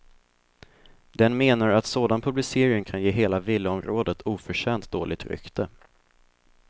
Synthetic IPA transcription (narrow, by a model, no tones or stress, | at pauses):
d̪̥ɛnmeːnaɾat̪soːd̪anpʰɵblɪseːɾɪŋkʰanjeːɦeːlavɪlːəɔmɾoːd̪ət̪ʰuːfœʂɛːnt̪̚d̪o̰ːlɪ̰t̪ɾʏ̰kt̪ə